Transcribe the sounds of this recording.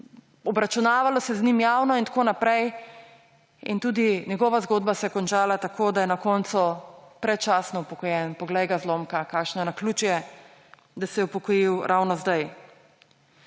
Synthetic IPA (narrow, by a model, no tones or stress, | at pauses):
ɔbɾat͡ʃunaːʋalɔsɛznimjaːwnɔint̪akoːnapɾɛj | int̪uːd̪iɲjɛɡɔʋazɡoːd̪̚basɛjɛkɔnt͡ʃaːlat̪akoːd̪ajɛnakɔnt̪supɾɛtt͡ʃaːsnɔupɔkɔjɛnpɔɡlɛjɡazloːmkakakʃnanakluːt͡ʃujɛ | d̪asɛjɛupɔkɔjiwɾʔawnɔzd̪aj